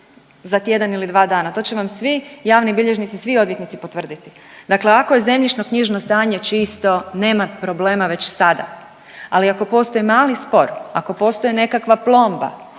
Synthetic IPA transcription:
zat̪je̞d̪anilid̪ʋaːd̪aːnat̪o̞ːt͡ɕeʋamsʋijaːʋnibiʎe̞ʒnit̪isʋio̞d̪ʋjet̪nit̪sipo̞t̪ʋr̩d̪it̪i̥ | d̪akle̞ako̞je̞ze̞mʎit͡ʃno̞kɲiʒnost̪aːɲe̞t͡ʃist̪o̞ne̞ːmapɾo̞ble̞ːmaʋe̞t͡ɕsad̪a̰ | aliako̞po̞ːst̪ojimaːlispo̞ɾa̰ko̞po̞ːst̪o̞jene̞kakʋaplˠo̞mba̰

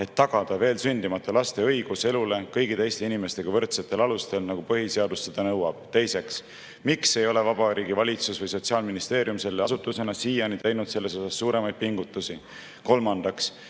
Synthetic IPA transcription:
e̞t̪ːɑɡ̥ɑd̪̥ɑve̞ːlsynʲd̪̥imɑt̪ːˑolɑst̪e̞ɤ̞jɡ̥use̞lule̞kɤjɡit̪e̞jst̪e̞inime̞st̪e̞ɡ̥ɑvɤ̞rt̪se̞t̪ːˑe̞lɑlust̪e̞lnɑɡ̥upɤɦise̞ɑd̪usːe̞d̪̥ɑnɤwɑb̥̚t̪e̞jse̞ks | mikse̞jo̞le̞vɑb̥ɑɾiːɡ̥ivɑlʲit̪susvɤjso̞t̪siɑːlminist̪e̞ːɾjumse̞lːeɑsut̪ːˑuse̞nɑsiːjɑnit̪ejnud̪̥se̞lːe̞so̞sɑsːuːɾe̞mɑjd̪̥̚piŋɡut̪ːˑusi | ko̞lmɑnd̪̥ɑks

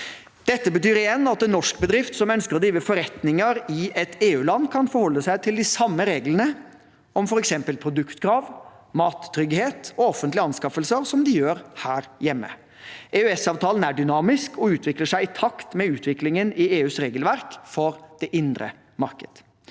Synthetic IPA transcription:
d̪̥ɛt̪ːəbət̪yːɾɪjɛnːɑt̪̚ɛnːɔʂkbəd̪ɾɪft̪sɔmœnskəɾɔd̪ɾiːʋəfɔɾɛt̪nɪŋəɾɪɛt̪eːʉːlɑnːkʰɑnfɔɾhɔlːəsæɪt̪ʰɪld̪ɪsɑmːəɾeːɡlənə | ɔmfɔɾɛksɛmpəlpʰɾʊd̪ʉkt̪kʰɾɑːʋ | mɑːt̪ʰːɾʏɡheːt̪ɔɔfənt̪lɪɑnskɑfəlsəɾsɔmd̪ɪjøːɾhæːɾjɛmːə̰ | ʔeʉɛsɑːʋt̪ʰɑːlənæɖʏnɑːmɪskɔʉːt̪ʰʋɪkləʂæɪɪt̪ʰɑkt̪mɛʉːt̪ʰʋɪklɪŋənɪeːʉːsɾeːɡəlʋæɾkfɔɾd̪̥ɛʔɪnd̪ɾə̰ | mɑɾkəd̪̥

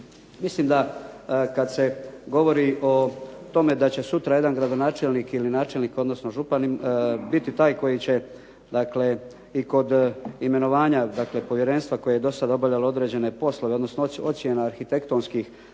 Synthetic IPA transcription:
mislimd̪akad̪se̞ɡo̞ʋo̞ɾiʔo̞t̪o̞me̞d̪at͡ɕe̞sut̪ɾaje̞d̪anɡɾad̪o̞naːt͡ʃelnikilinaːt͡ʃelniːko̞d̪no̞sno̞ʒupanimbit̪it̪aːjko̞jit͡ɕe̞ | d̪akle̞ | iko̞d̪ime̞no̞ʋaːɲad̪akle̞po̞ʋje̞ɾe̞nst̪ʋako̞jejed̪o̞sad̪ao̞bavʎalao̞d̪ɾe̞ːd͡ʑe̞ne̞po̞sloʋeo̞d̪no̞snoo̞t̪sjenaːɾxit̪e̞kt̪o̞ːnskix

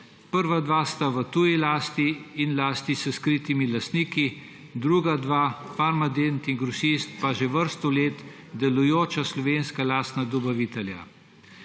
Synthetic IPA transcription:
pəɾʋad̪ʋast̪aʋət̪ujilaːst̪iːnlaːst̪isəskɾit̪imilast̪niːki | d̪ɾuɡad̪ʋafaɾmad̪ent̪iŋɡɾɔsist̪paʒeʋəɾst̪ɔleːt̪ | d̪ɛlujoːt͡ʃaslɔʋeːnskalaːst̪nad̪ɔbaʋit̪ɛlja̰

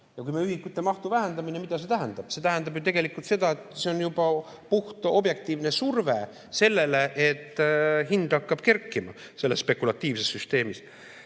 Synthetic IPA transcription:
jɑkujmeyhikːˑut̪ːˑemɑht̪uvæɦend̪ɑminemid̪̥ɑse̞t̪æɦænd̪̥ɑb̥se̞t̪æɦænd̪ɑbjut̪e̞ɡe̞likːˑult̪se̞d̪̥ɑet̪ˑseonjubɑ | puht̪ʔo̞bje̞k̚t̪iːvne̞surve̞ | se̞lːe̞leʔet̪ːˑɦind̪̥ɑkːɑb̥ke̞rkːimɑ | se̞lːe̞sːpe̞kːulɑt̪ːˑiːvse̞sːyst̪e̞ːmis

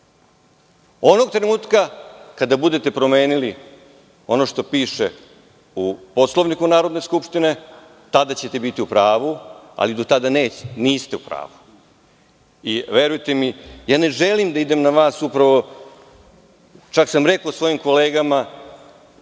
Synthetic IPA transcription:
o̞noɡ̚t̪ɾenuːt̪kakad̪abud̪e̞t̪e̞pɾo̞me̞ːnili | o̞no̞ʃt̪o̞piːʃe̞ | upo̞slˠoʋnikunaːɾo̞d̪ne̞skupʃt̪ine̞ | t̪ad̪at͡ɕe̞t̪e̞bit̪iupɾaːʋua̰lid̪o̞t̪ad̪aneːniːst̪e̞upɾa̰ːʋu | iʋe̞ɾujt̪e̞mijaːne̞ʒe̞limd̪aid̪e̞mnaʋaːsupɾaʋo̞ | t͡ʃaksamɾe̞kosʋo̞jimko̞le̞ːɡama

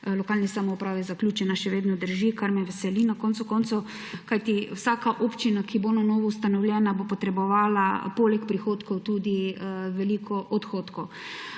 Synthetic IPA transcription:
lɔkaːlnisamɔupɾaːʋɛzaklʲjuːt͡ʃɛnaʃɛʋeːd̪nɔd̪əɾʒikaɾmɛʋɛsɛlinakont̪sʊkont̪sʊ | kajt̪iwsaːkaʔoːpt͡ʃinakibonanɔːʋɔust̪anɔwlʲjɛːnabopɔt̪ɾɛbɔʋaːla̰polɛkpɾixoːt̪kɔwt̪ud̪iʋɛliːkʰɔʔɔt̪xoːt̪kɔw

